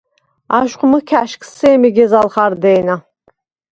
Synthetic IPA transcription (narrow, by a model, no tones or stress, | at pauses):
aʃqʷʼmɨkʲʰaʃkʰʼsejmiɡʲɛzalˠχaɾd̪ejna